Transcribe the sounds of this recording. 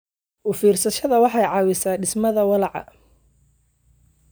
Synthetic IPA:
ʔʊfiːrsɐʃɐðɐwɑħɑjʕɑːwɪsaːɖɪsmɐðɐwɐlɑʕɑ̰

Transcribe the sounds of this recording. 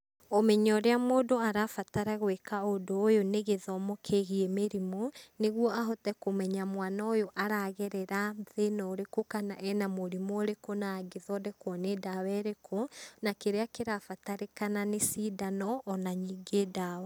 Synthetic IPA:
omɛɲɔɾeamoːdoaɾafataɾaɣwekaodoːjoneɣeðɔmokʰeɣiɛmeɾimoneɣwɔaɦotɛkomɛɲamwanaojoʔaɾaɣɛɾɛɾaðenɔːɾekokana̰ʔɛnamoɾimoːɾekonaːɡeðɔdɛkwɔnedawɛɾekʰonakeɾeakeɾafataɾekananesiːdanɔʔːnaɲiːɡeːdaːwa

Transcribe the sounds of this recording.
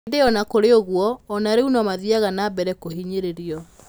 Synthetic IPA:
deɔnakoɾeoɣwɔːnaɾeunɔmaðiaɣanabɛɾɛkoɦiɲeɾeɾiɔ

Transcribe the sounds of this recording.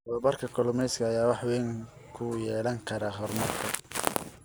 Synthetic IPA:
ʔɔːbɐrkʰɐkʰɔlʊmɛjskʰɐːjaːwɑħwɛːŋ | kʰʊjɛːlɐŋkʰɐɾɐɦɔrmɐrkʰɐ

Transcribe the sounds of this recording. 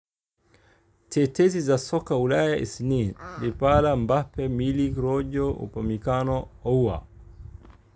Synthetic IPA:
tʰɛtɛzizasɔkaulajaʔḭsninlipalambapɛmiliɡɾɔʄɔṵpamikanɔɔuwa̰

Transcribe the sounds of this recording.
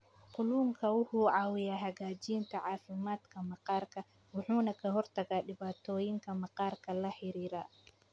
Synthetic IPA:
qʊluːŋkʰɐwʊhuːʕɑːwɪjaːɦɐɣaːt͡ʃiːnt̪ʰɐʕɑːfɪmaːd̪kʰɐmɑqɑːrkʰɐ | wʊħuːnɐkʰɐɦɔrt̪ʰɐɣaːɗɪβaːt̪ʰɔːjɪŋkʰɐmɑqɑːrkʰɐlɐħɪɾiːɾaː

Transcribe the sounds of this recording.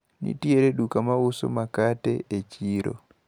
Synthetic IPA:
nḭtieɾeɗukamawuso̰makatɛ̰et͡ʃiɾo̰

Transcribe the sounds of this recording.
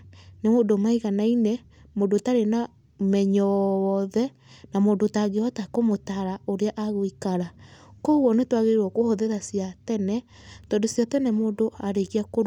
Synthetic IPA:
nemodomaiɣanainɛ | modotaɾena | mɛɲɔwɔðɛ | namoːndotaɡeɔtakomotaɾaoɾeaʔaɣoikaɾakoɣwɔnetwaɣeɾwɔkohoðeɾasiatɛnɛ | tɔːndosjatɛnɛmoːndoaɾeɣiakoɾ

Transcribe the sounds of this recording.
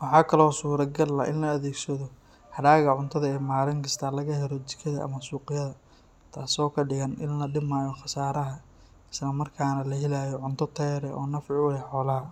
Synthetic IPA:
wɑħɑːkʰɐlɔːsuːɾɐɡɐlːɐ̰ʔɪnlɐːðeːɡsɐðɔ | hɐɽaːɣɐʕʊnt̪ʰɐðɐɛːmaːlɪŋkʰɐst̪ʰaːlɐɣɐɦɛɾɔt͡ʃɪ̥kʰɐðɐʔɐ̰mɐsuːqɪjɐðɐ | t̪ʰaːsɔːkʰɐɖɪɣɐnɪ̰nlɐɖɪmaːjɔxɑsaːɾɐɦɐ | ɪslɐmɐrkʰaːnɐlɐɦɪlaːjɔʕʊnt̪ʰɔt̪ʰɛːɾɛʔɔːnɐfʕɪʊlɛħɔːlɐɦɐ

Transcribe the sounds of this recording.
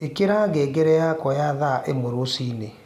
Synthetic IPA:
ekeɾaɡeːɡɛɾɛjakɔjaðaʔemoɾosiːne

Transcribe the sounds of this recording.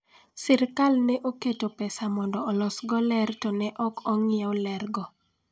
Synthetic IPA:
sɪɾkalnɛʔoketopɛsamɔndɔɔlɔsɡɔlɛrtɔnɛʔɔkɔŋɪaolɛrɡɔ

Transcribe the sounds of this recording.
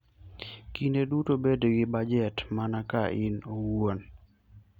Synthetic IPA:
kindedutobedɡɪbad͡ʒɛtmanakaʔɪnowwon

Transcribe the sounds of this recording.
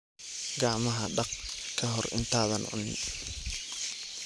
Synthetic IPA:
ɡɑʕmɐɦɐɖɑqkʰɐɦɔrɪ̰nt̪ʰaːðɐnʕʊ̰nɪ

